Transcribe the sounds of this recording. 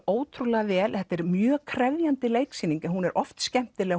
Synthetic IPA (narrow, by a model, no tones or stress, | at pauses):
oːwtt̪ʰɾulɛɣavɛːlhɛt̪ːɛɾmjœːkʰɾɛvjant̪ɪleːjksiːniŋkɛnhunɛɾʔɔft̪scɛm̥t̪ɪlɛːɣ